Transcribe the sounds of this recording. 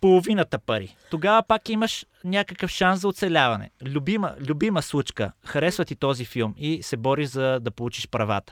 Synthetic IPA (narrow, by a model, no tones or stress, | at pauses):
polˠovinət̪əpɐɾḭt̪oɡavɐpakiməʃ | nʲakəkəfʃanszɐot̪sɛlʲavɐnɛ̰lʲʊbimə̰lʲʊbiməslˠut͡ʃkə̰xɐɾɛsvɐt̪it̪ɔzifilˠmisɛbɔɾiʃzɐd̪ɐpolˠut͡ʃiʃpɾɐva̰t̪ə̥